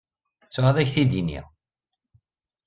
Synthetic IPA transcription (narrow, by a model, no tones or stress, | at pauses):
t͡sːʊʕəðˤæçθid̪inḭ